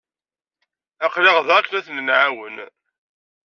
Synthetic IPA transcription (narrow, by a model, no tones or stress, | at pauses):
æqlɪʁðɑknæθnnʕawən